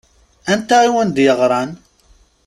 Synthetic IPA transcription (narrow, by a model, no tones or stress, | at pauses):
ænt̪ːæiwənd̪jəʁɾˤɑn